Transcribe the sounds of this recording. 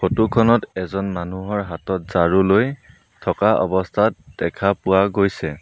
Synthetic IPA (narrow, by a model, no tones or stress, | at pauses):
xotukʰɔnɔtɛzɔnmanuɦɔɹɦatɔt̚z̥aɹuloj | tʰɔkaʔɔ̰bɔstʰatd̥ɛkʰapʊwaɡojsɛ